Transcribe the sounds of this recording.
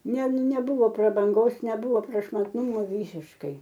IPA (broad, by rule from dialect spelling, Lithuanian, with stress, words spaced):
nʲɛ nʲɛˈbʊʋoː prɐbɐŋˈɡoːs nʲɛˈbʊʋoː prɐʃmɐtˈnuːmoː ˈʋʲiːsʲɪʃkɐɪ